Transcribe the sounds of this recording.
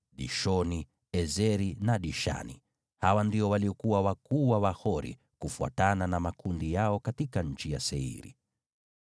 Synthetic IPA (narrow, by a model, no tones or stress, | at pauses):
ɗiʃɔni | ɛzɛɾinaɗiʃa̰nḭ | hawandiɔwaliɔkuwawakuwawahɔɾḭ | kufua̰tananamakundijaɔkatikaɲ̩t͡ʃijasɛḭɾḭ